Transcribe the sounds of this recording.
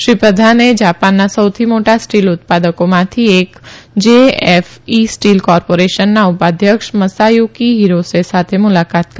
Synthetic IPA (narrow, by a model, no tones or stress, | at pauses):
ʃɾipɾəd̪ʱaned͡ʒaːpaːnːasɐʊt̪ʰimoːʈasʈiːlʊt̪̚paːd̪əkõmãt̪ʰieːkd͡ʒeːɛfiːsʈiːlkɔːɾpoːɾeːʃənːaʊpaːd̪ʱjəkʃmɐsaːjukiɦiːɾosesaːt̪ʰemʊlaːkaːt̪̚k